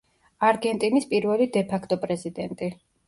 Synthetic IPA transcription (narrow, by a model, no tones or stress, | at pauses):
aɾɡɛnt̪ʼinispʼiɾvɛlid̪ɛpʰakʰt̪ʼɔpʼɾɛzid̪ɛnt̪ʼi